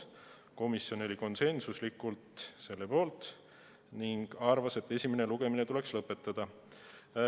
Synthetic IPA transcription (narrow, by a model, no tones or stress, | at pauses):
ko̞misjo̞ne̞lʲiko̞nse̞nsuslikːˑult̪se̞lːe̞po̞ːlt̪ˑ | niŋɡ̥ɑrvɑse̞t̪ːe̞sʲime̞ne̞luɡ̥e̞mine̞t̪ule̞kslɤpːˑe̞t̪ːˑɑd̪̥ɑ